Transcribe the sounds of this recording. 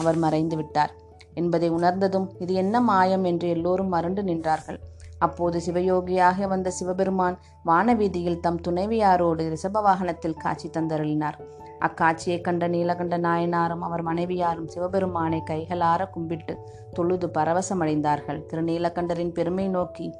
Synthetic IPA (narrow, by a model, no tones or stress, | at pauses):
ɐʋɐɾmɐɾɐɪnd̪ɯʋɪʈːaːɾ | ɛnbɐðɐɪʊɳɐɾnd̪ɐðɯmɪðɯɛnːɐmaːjɐmɛndrɯɛlːoːɾɯmːɐɾɯɳɖɯnɪndraːɾɣɐɭɐpːoːðɯsɪʋɐjoːɡɪjaːɣɐʋɐnd̪ɐsɪʋɐbɛɾɯmaːn | ʋaːnɐʋiːðɪjɪlt̪ɐmt̪ʊnɐɪʋɪjaːɾoːɽɯɾɪsɐbɐʋaːɣɐnɐt̪ːɪlka̰ːʈ̚t͡ʃːɪt̪ːɐnd̪ɐɾɐɭɪnaːɾ | ʔɐ̰kːaːʈ̚t͡ʃːɪjɐɪkːɐɳɖɐniːlɐkɐɳɖɐnaːjɐnaːɾɯmɐʋɐɾmɐnɐɪʋɪjaːɾɯmsɪʋɐbɛɾɯmaːnekːɐɪɣɐɭaːɾɐkʊmbɪʈːɯ | t̪ɔɭɯðɯpɐɾɐʋɐsɐmɐɽɐɪnd̪aːɾɣɐɭt̪ɪɾɯniːlɐkːɐɳɖɐɾɪnpɛɾɯmɐɪnoːki